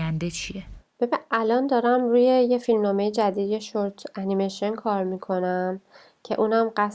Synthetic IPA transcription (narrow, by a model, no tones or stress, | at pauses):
ænd̪et͡ʃʰieb̥ebiʔælɒːnd̪ɒːɾæmɾuːje̞jefilmnɒːmejed͡ʒæd̪iːd̪je̞ʃoɾt̪ʰænimeʃonkʰɒːɾmiːkʰo̞næm | cʰe̞̰ʔuːnæmɢæs